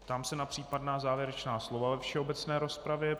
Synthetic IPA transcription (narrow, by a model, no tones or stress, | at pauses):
t̪amsɛnapr̥iːpadnaːzaːvjɛɾɛt͡ʃnaːslo̞vavɛfʃɛo̞bɛt͡snɛːɾospɾavjɛ